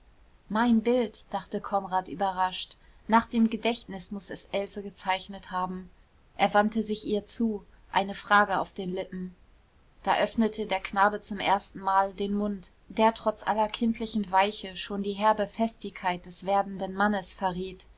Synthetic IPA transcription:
maɪnbɪltd̥aχtəkʰɔnʁaːtʔy̰ːbɐʁaʃtnaːχd̥eːmɡədɛçtnɪsmʊsɛsʔɛlzəɡət͡saɪçnəthaːbm̩ | ʔeːɐvantəzɪçʔiːɐt͡suː | ʔaɪnəfʁ̥aːɡəa̰ʊfd̥eːnlɪpm̩ | d̥aːʔœfnətʰədeːɐknaːbət͡sʊmʔḛːɐstn̩maːldeːnmʊnt | d̥eːɐtʁ̥ɔt͡sʔa̰lɐkʰɪntʰlɪçn̩vaɪçəʃoːndiːɦɛɐbəfɛstɪçkʰaɪt̚d̥ɛsv̥eːɐdn̩dənmanəsfɛɐʁiːt

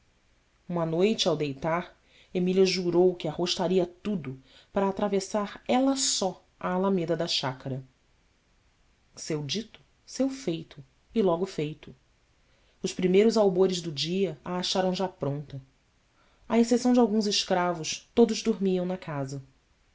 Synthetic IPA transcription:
ũmɐnojt͡ʃɪawd̪ejt̪aɾ | emilʲɐʒuɾowkɪahoʃt̪aɾiɐt̪ud̪ʊpaɾɐːt̪ɾavesaɾɛlɐsɔ | aːlamed̪ɐd̪ɐʃakɐɾɐ | sewd͡ʒit̪ʊ̥ | sewfejt̪ʰʊ | ɪlɔɡʊfejt̪ʊ | ʊspɾimejɾʊzawboɾɪzd̪ʊd͡ʒiɐaːʃaɾɐ̃w̃ʒapɾõnt̪ɐ | ɐesesɐ̃w̃d͡ʒɪawɡũzɪʃkɾavʊʃt̪od̪ʊzd̪oɾmiɐ̃w̃nɐkʰazɐ

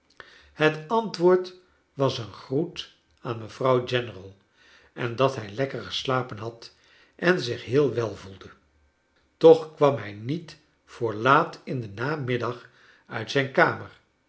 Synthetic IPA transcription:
hətɑntʋʊːɹt | ʋɑsənχrut | aːnməv̥rɑwd͡ʒɛnərəlˠ | ʔɛndɑtɦɛjlɛkəɹχə̥slaːpənɦɑt | ʔɛnzɪχɦɪːlˠʋɛlˠvulˠdə | tɔχkʋɑmɦɛjnit | fʊːɹlaːtɪndənaːmɪdɑχ | œɥtsɛjnkaːmər

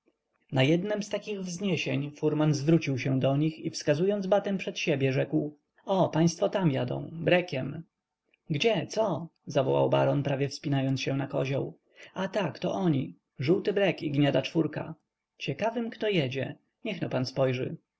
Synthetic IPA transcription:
najɛd̪nɛmst̪akʲiɣvzɲeɕeɲfuɾmanzvɾut͡ɕiwɕɛ̃d̪ɔɲixifskazujɔnd̪zbat̪ɛmpʂɛt̪ɕebʲjɛʐɛkw | ɔpaj̃st̪fɔt̪amja̰d̪ɔ̰̃w̃bɾɛkʲɛm | ɡd͡ʑɛt̪sɔzavɔwa̰wba̰ɾɔnpɾavʲjɛfspʲinajɔnt̪sɕɛnakɔʑɔ̰w | at̪akt̪ɔʔɔɲi | ʐuwt̪ɘbɾɛkiɡɲad̪at͡ʂfuɾka̰ | t͡ɕɛkavɘmkt̪ɔjɛd͡ʑɛ | ɲɛxnɔpanspɔjʐɘ̰

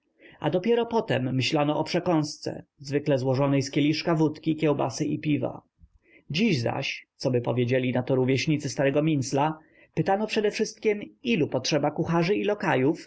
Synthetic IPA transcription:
ʔa̰d̪ɔpʲjɛɾɔpɔt̪ɛmːɘɕlanɔʔɔpʂɛkɔ̃w̃st̪sɛ̰zvɘklɛzwɔʐɔnɛjskʲelʲiʂkavut̪kʲikʲɛwba̰sɘʔipʲiva̰ | d͡ʑiʑza̰ɕt̪sɔbɘpɔvʲjed͡ʑelʲinat̪ɔɾuvʲjɛɕɲit̪sɘst̪aɾɛɡɔmʲinsla | pɘt̪anɔpʂɛd̪ɛfʂɘst̪kʲɛmilupɔtʂɛbakuxaʐɘilɔkajuf

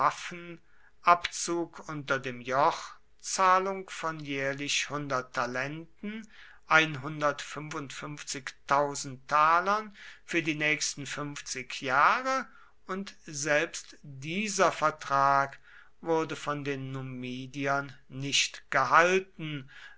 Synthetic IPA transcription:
afən̩ | ʔapt͡suːkʔʊntɐdeːmjɔχ | t͡saːlʊŋfɔnjɛːɐlɪɕhʊndɐtʰːalɛntn̩ | ʔaɪnɦʊndɐtfʏnvʊntfʏmft͡sɪktʰːaʊzn̩tʰːaːlɐnfyːɐdiːnɛːçstn̩fʏmft͡sɪkʰjaːʁə | ʊntz̥ɛlpstdiːzɐfɛɐtʁ̥aːk | vʊɐdəfɔndeːnːumiːdiɐnːɪʃtɡ̥əɦaltn̩

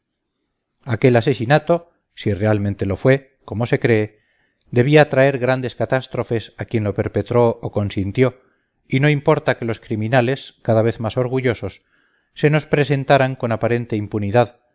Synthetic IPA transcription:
ake̞lase̞sinat̪o̞ | sire̞almẽnt̪e̞lo̞fwe̞ | ko̞mo̞se̞kɾe̞ː | d̪e̞β̞iaːt̪ɾae̞ɾɣɾand̪e̞skat̪ast̪ɾo̞fe̞sakje̞nlo̞pe̞ɾpe̞t̪ɾo̞oko̞nsint̪jo̞ | ino̞impo̞ɾt̪akelo̞skɾimĩnale̞skaðaβ̞e̞θmaso̞ɾɣ̞uʝo̞so̞sː | e̞no̞spɾe̞s̬e̞nt̪aɾaŋko̞napaɾe̞nt̪e̞impuniðað

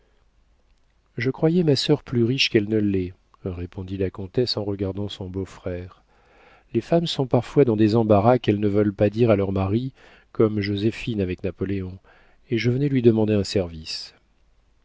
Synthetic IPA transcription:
ʒəkχwajɛmasœʁplyʁiʃkɛlnəlɛ | ʁepɔ̃d̪ilakɔ̃t̪ɛsɑ̃ʁəɡaʁd̪ɑ̃sɔ̃bofχɛːʁ | lefamsɔ̃paʁfwad̪ɑ̃d̪ezɑ̃baʁakɛlnəvœlpad̪iʁalœʁmaʁi | kɔmʒozefinavɛknapɔleɔ̃ | eʒəvənɛlɥid̪əmɑ̃d̪eɛ̃sɛʁvis

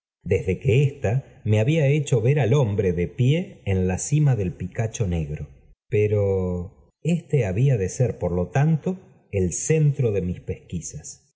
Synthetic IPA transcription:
d̪e̞zðe̞keest̪a | me̞aβiaet͡ʃo̞βeɾalo̞mbɾe̞ðepjeːnlasimaðe̞lpikat͡ʃone̞ɣɾo̞ | peɾo | est̪eaβiaðe̞seɾpoɾlo̞t̪ant̪o | else̞nt̪ɾo̞ðe̞mispe̞skisas

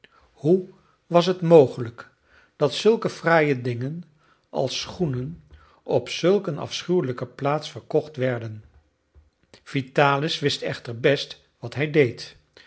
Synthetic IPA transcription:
hu | ʋɑs̬ɦətmowχələk | d̥ɑtsɵlˠkəfraːjədɪŋən | ʔɑ̰lˠsχunən | ɔpsɵlˠkənɑ̰fsχywləkəplaːtsfəɹkɔχtʋɛɹdən | v̥itaːlɪsʋɪstɛχtəɹbɛst | ʋɑtɦɛjdejt

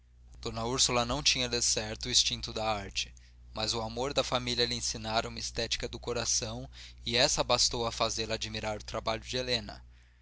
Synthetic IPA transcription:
d̪̥õnɐuɾsulɐnɐ̃w̃t͡ʃĩɲɐd̪esɛɾt̪ʊist͡ʃĩnt̪ʊd̪ɐaɾt͡ʃɪ̥ | mɐzʊamoɾd̪ɐfamiliɐlɪẽsinaɾɐũmɐist̪ɛt͡ʃi̥kɐd̪ʊkoɾasɐ̃w̃ɪɛsɐbast̪owɐfazelɐaːd͡ʒimiɾaɾʊt̪ɾabaʎʊd͡ʒɪelẽnɐ̰

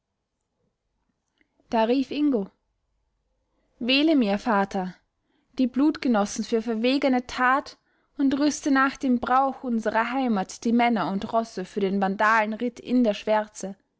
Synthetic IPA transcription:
d̥aːʁiːfʔɪŋɡo | veːləmiːɐfaːtʰɐ | d̥iːbluːtɡ̥ənɔsn̩fyːɐfɛɐveːɡənətʰaːt | ʊntʁʏstənaːxd̥eːmbʁaʊxʔʊnzəʁɐɦaɪmatd̥iːmɛnɐʊntʁɔsəfyːɐdeːnvandaːlənʁɪtʰɪ̰ndeːɐʃv̥ɛɐt͡sə

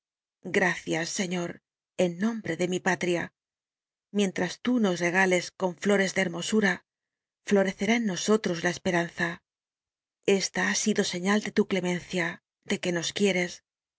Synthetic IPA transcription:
ɡɾaθjasːe̞ɲo̞ɾ | e̞nːõ̞mbɾe̞ðe̞mipat̪ɾia | mjẽ̞nt̪ɾast̪uno̞sre̞ɣ̞ale̞sko̞ɱflo̞ɾe̞zðe̞ːɾmo̞suɾa | flo̞ɾe̞θe̞ɾaenːo̞so̞t̪ɾo̞zlae̞spe̞ɾanθa | e̞st̪aasiðo̞se̞ɲald̪e̞t̪ukle̞mẽ̞nθja | d̪e̞ke̞no̞skje̞ɾe̞s

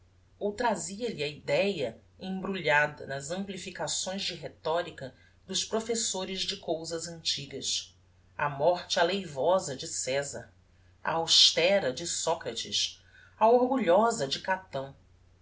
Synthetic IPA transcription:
owt̪ɾaziɐʎiɐid̪ɛjɐ | ẽbɾuʎad̪ɐ̰nɐzɐ̃mplifikasõj̃zd͡ʒɪɦet̪ɔɾikɐ | d̪ʊʃpɾofesoɾɪzd͡ʒɪkowzɐzɐ̃nt͡ʃiɡɐs | ɐ̰mɔχt͡ʃɪalejvɔzɐd͡ʒɪsɛzɐ̰ɾ | a̰ːwʃt̪ɛɾɐd͡ʒɪsɔkɾɐt͡ʃɪ̰s | ɐoɾɡuʎɔzɐd͡ʒɪkat̪ɐ̃w̃

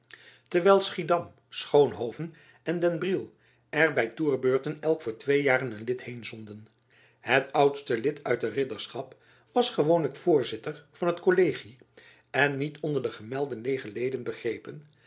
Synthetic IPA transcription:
tɛɹʋɛjlˠsχidɑm | sχownɦowvən | ɛndɛnbrilˠ | ɛɹbɛjtuːɹbøːɹtənɛlˠkfʊːɹtʋejaːrənənlɪthejnzɔndən | ɦətʌwtstəlɪtʰœɥtərɪdəɹsχɑp | ʋɑsχəʋownləkfʊːɹzɪtəɹv̥ɑnətkolejχi | ɛnːitʰɔndəɹdəχəmɛlˠdənlejχəlejdənbəχrejpən

